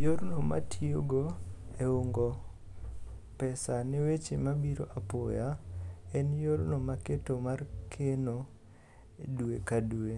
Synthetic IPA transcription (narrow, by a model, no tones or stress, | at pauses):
joɾnoma̰tʰioɡoeoŋɡo | pɛsanewet͡ʃemabiɾoʔapo̰jaɛnjoɾnomaketomarkʰeno | duekadue